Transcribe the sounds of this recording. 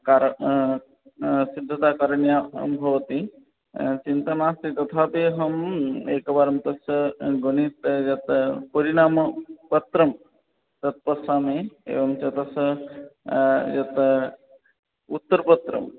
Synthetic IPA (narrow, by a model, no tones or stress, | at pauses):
kaːɾ | sid̪ʱːɐt̪aːkɐɾɐɳja̰bʱɐʋɐt̪i | t͡ʃint̪ɐnaːst̪it̪ɐt̪ʰaːpeːɦɐmeːkɐbaːɾɐmt̪ɐsɡonit̪jɐt̪pəɾiɽ̃aːmɐpɐt̪ɾɐm | t̪ɐt̪̚pɐsaːmeːḛːʋɐmt͡ʃɐt̪ɐs | jɐt̪ | ut̪ːɐɾpɐt̪ɾɐ̰m